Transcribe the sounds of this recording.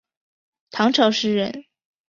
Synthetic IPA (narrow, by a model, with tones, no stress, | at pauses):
t̪ʰɑ˧˥ŋʈ͡ʂʰɑ˧˥ʊʂɻ̩˥˧ɻə̰˧˥n